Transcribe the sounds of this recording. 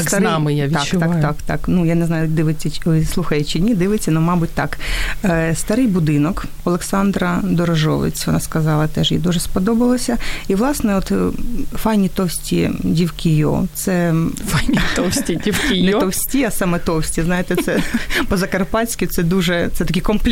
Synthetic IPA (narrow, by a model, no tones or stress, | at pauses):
sɾnɑmɪjaʋʲit͡ʃ̪ɑkt̪ɑkt̪ɑ̰knujanɛznɑjʊd̪ɪʋɪt͡sʲːɐslˠuxɐjɛt͡ʃɪnʲid̪ɪʋɪt͡sʲːɐnʊmɑbʊt̚ʲt̪ɑk | st̪ɐɾɪjbʊd̪ɪnɔkɔlˠeksɑnd̪ɾɐd̪ɔɾɔʒɔ̰ʋɪ̰t͡sʲʋɔnɑskɐzɑlˠɐt̪ɛʒjḭd̪uʒɛspɔd̪ɔbɐlˠɐsʲɐiʋlˠɑsnɛɔt̪fɑjnʲit̪ɔwsʲtʲidʲiwkʲijo̰t̪sɛfajnʲit̪ɔwsʲtʲidʲiwkʲijnɛɔwsʲtʲiɐsɑmɛt̪ɔwsʲtʲiznɑjet̪ɛsɛpɔzɐkɐrpɑsʲkʲit̪sɛd̪uʒɛt̪sɛt̪ɐkʲikɔmplʲ